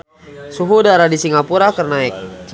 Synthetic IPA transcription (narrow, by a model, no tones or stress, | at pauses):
suɦudaɾadisiŋapuɾakərnaɛk̚